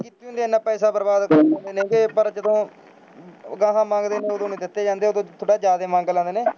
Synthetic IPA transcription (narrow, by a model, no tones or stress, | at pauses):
kiːt̪ːiːɦʊnd̪eːnːãːpɛːsaːbəɾbaːd̪kəɾnãːnd̪eːneːɡeːpəɾt͡ʃɪd̪õː | ɡãːɦãːmãːŋɡd̪eːneːoːd̪õːnĩːd̪ɪt̪ːeːd͡ʒãːnd̪eːoːd̪õːt̪ʰoːɽaːd͡ʒaːd̪eːmãːŋɡlãːnd̪eːneː